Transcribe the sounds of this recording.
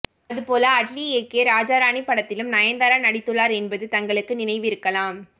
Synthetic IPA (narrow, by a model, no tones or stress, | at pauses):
ɐðɯpoːlɐːʈlieːkeːɾaːd͡ʒaːɾaːɳipːɐɽɐt̪ːɪlɯmnɐjɐnd̪ɐɾanɐɽɪt̪ːɯɭːaːɾɛnbɐðɯt̪ɐŋɡɐɭɯkːɯnɪnɐɪʋɪɾɯkːɐlãːm